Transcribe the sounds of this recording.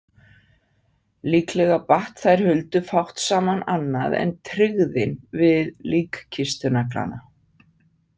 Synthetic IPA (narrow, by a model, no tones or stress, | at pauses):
liːklɛɣapaht̪θajɾ̥hʏlt̪ʏfawht̪saːmananːaðɛ̰nt̪ʰɾɪɣðɪnvɪðliːkcʰɪst̪ʏnakla̰na